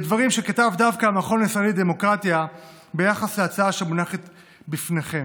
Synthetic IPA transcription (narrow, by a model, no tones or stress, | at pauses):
edvaʁimʃe̞kat̪avd̪avkaːmaχo̞naisʁaelid̪e̞mo̞kʁat̪ia | be̞jaχasleat͡saaʃemunaχet̪ | bifne̞χe̞m